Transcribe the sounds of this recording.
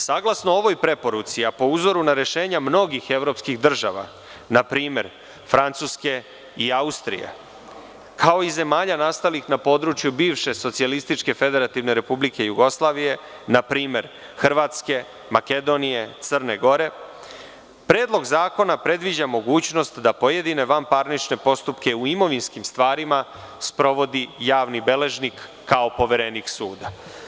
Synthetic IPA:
saːɡlˠasnooʋo̞jpɾe̞po̞ɾut̪siapo̞uzo̞ɾunaɾe̞ʃe̞ːɲamno̞ɡixe̞ʋɾo̞pskixd̪r̩ʒa̰ʋa̰ | napɾiːme̞ɾ | fɾant̪suːske̞ | iaust̪ɾḭjḛ | kʰao̞ize̞maːʎanast̪alixnapo̞ːd̪ɾut͡ʃjubiːʋʃe̞so̞t̪sialist̪it͡ʃke̞fe̞d̪e̞ɾat̪iʋne̞ɾe̞publike̞juɡo̞slˠaːʋije̞ | napɾiːme̞ɾ | xr̩ʋaːt̪ske̞ | make̞d̪o̞nije̞t̪sər̩ne̞ɡo̞ɾe̞ | pɾe̞ːd̪lˠo̞ɡzaːko̞napɾe̞d̪ʋid͡ʑamo̞ɡuːt͡ɕno̞st̪d̪apo̞je̞d̪ine̞ʋampaɾnit͡ʃne̞po̞st̪upke̞uimo̞ʋinskimst̪ʋaːɾima | spɾo̞ʋo̞d̪ijaːʋnibe̞le̞ʒnikː | ao̞po̞ʋeɾe̞niksuːd̪a

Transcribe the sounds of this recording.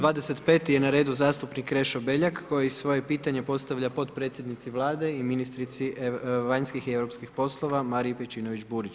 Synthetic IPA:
d̪ʋaːd̪ese̞t̪pe̞ːt̪ijenaɾe̞ːd̪uzaːst̪upnikːɾe̞ʃobe̞ʎakːo̞jeisʋo̞je̞piːt̪aɲe̞po̞st̪aʋʎapo̞t̪̚pɾe̞ːt̪sʲjed̪nit̪siʋlˠaːd̪e̞iminist̪ɾit̪siʋaɲskixieʋɾo̞pskixpo̞slˠo̞ʋamaːɾipet͡ʃiːnoʋit͡ʃbuːɾit͡ʃ

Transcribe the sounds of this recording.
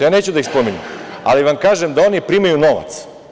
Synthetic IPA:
jaːne̞ːt͡ɕud̪aixspo̞miɲema̰liʋamkaːʒemd̪ao̞nipɾiːmajuno̞ʋa̰t̪s

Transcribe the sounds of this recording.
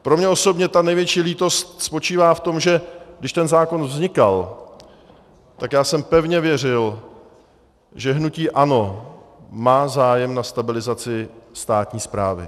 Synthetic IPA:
pɾo̞mɲɛʔo̞so̞bɲɛt̪anɛjvjɛt͡ʃiːliːt̪o̞st̪spo̞t͡ʃiːvaːft̪o̞mʒɛɡdɪʃt̪ɛnzaːko̞nvzɲɪkal | t̪akjaːsɛmpɛvɲɛvjɛr̝ɪl | ʒɛɦnuciːʔano̞ | maːzaːjɛmnast̪abɪlɪzat͡sɪst̪aːt̪ɲiːspɾaːvɪ̰

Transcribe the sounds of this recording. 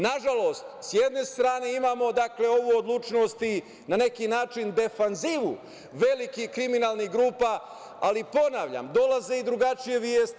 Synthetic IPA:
naʒalo̞st̪sjed̪ne̞st̪ɾaːne̞imaːmo̞d̪akle̞o̞ʋuod̪lˠut͡ʃno̞st̪i | nane̞kinaːt͡ʃind̪e̞fanziʋṵ | ʋe̞likihkɾiminaːlˠniɡɾuːpa | alipo̞naːʋʎa̰md̪o̞laze̞id̪ɾuɡat͡ʃijeʋjeːst̪i

